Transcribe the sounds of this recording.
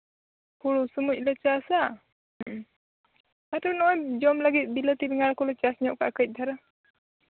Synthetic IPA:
pʰuɽusumuc̚ˀlɛt͡ʃasa | aʈɔnɔjd͡ʒɔmləɡit̪̚ˀbilət̪iɾiŋaɽkɔlɛt͡ʃasɲɔʔka̰ʔkəc̚ˀd̪ʱaɾa

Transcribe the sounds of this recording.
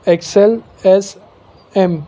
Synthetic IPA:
eksel | es | ẽm

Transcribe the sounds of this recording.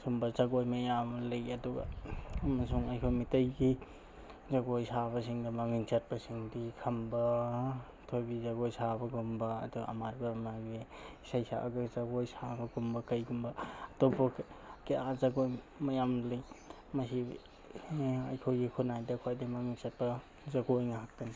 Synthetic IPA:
sumbɐzaɡojmɐjamlejɐduɡɐ̰ɐmɐsuŋɐjkʰojmitɐjɡi | zaɡojsaβɐsiŋdɐmɐŋiŋsɐt̚bɐsiŋdikʰɐmbɐ | tʰobizaɡojsabɐɡumbɐ̰ːduɐ̰maɾbamaɡbesajsa̰ʔaɡazaɡojsabɐɡumbɐkɐjɡumbɐɐtobɐkeʔazaɡoj | mɐjamlij | mɐsi | ɐjkʰojɡikʰunajdɐkʰajdimɐŋinsɐt̚pɐ | zaɡojŋaɦak̚tan

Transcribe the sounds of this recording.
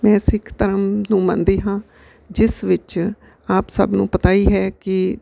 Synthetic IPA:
mɛ̃ːsɪkʰt̪əɾəmnũːmã̰nd̪eːɦãː | d͡ʒɪsʋɪt͡ʃ | aːpsəbnũːpət̪aːiːɦɛːkɪ

